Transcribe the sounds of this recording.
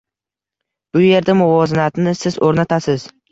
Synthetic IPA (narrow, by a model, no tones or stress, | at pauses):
b̥ʊje̞ɾd̪amʊvɒzɪnat̪nɪsɪzoɾnat̪ʰasɪz̥